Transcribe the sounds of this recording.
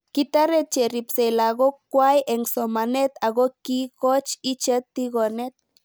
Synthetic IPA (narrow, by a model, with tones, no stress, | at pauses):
kit̪a˦ɾet̪̚t͡ʃe˨ɾi˨pse˨laɣo˦kːwajʔeŋso˨mane˦t̪aɣo˦ki˦kot͡ʃit͡ʃe˦t̪ːi˦ɣo˨ne˦t̪̚